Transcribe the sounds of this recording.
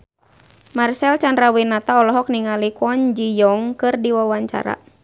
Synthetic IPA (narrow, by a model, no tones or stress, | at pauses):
marsɛlt͡ʃanɾawinat̪aɔlɔɦɔk̚niŋalikɔnd͡ʒijɔŋkɨrdiwawaɲt͡ʃa̰ɾa̰